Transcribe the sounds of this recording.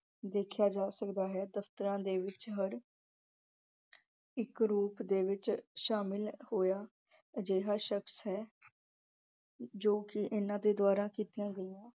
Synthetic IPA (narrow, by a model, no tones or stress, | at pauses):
d̪eːkʰjaːd͡ʒaːsəkd̪aːɦɛːd̪əft̪əɾãːd̪eːʋɪt͡ʃɦəɾ | ɪkɾuːpd̪eːʋɪt͡ʃʃaːmɪlhoːjaː | d͡ʒeːɦaːʃəksɦɛː | d͡ʒoːkɪʔɪnãːd̪eːd̪ʊaːɾãːkiːt̪ijãːɡəiãː